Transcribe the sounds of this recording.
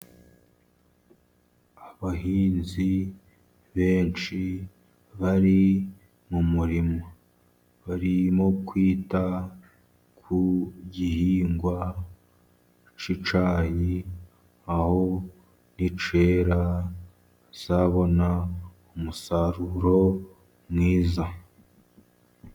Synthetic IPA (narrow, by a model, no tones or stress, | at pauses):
aβahiːnzi | βe̞ːnt͡ʃi | βaɾi | mumuɾimo | βaɾimo̞kwiːta | kʰuɟihiːŋɡwa | t͡ʃit͡ʃaːji | aho̞ | nit͡ʃe̞ːɾa | z̥aβo̞na | umusaɾuɾo̞ | mŋiːza